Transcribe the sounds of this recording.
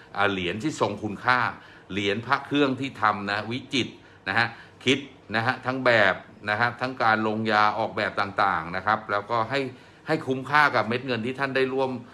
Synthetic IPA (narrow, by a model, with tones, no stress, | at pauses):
ʔaː˨˩li˩˦ənt̪ʰiː˥˩so˧ŋkʰu˧nkʰaː˥˩ | li˩˦ənpʰa˦˥kʰɯ˥˩əŋt̪ʰiː˥˩t̪ʰa˧mna˦˥wi˦˥t͡ɕi˨˩t̪̚ | na˦˥ɦa˦˥kʰi˦˥t̪̚ | na˦˥ɦa˦˥t̪ʰa˦˥ŋbɛː˨˩p̚ | na˦˥kʰa˦˥p̚t̪ʰa˦˥ŋkaː˧nlo˧ŋjaː˧ʔɔː˨˩k̚bɛː˨˩p̚t̪aː˨˩ŋt̪aː˨˩ŋna˦˥kʰa˦˥p̚lɛː˦˥wkɔː˥˩ɦa˥˩j | ha˥˩jkʰu˦˥mkʰaː˥˩ka˨˩p̚me˦˥t̪̚ŋɤ˧nt̪ʰiː˥˩t̪ʰa˥˩nda˥˩jɾu˥˩əm